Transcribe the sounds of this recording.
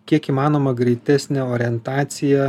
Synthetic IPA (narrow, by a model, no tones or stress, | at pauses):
kʲiɛkiːmɑːnoːmɐɡɾʲɛɪt̪ʲæsʲnʲɛoːɾʲɪɛnt̪ɑːt̪sʲɪjɛ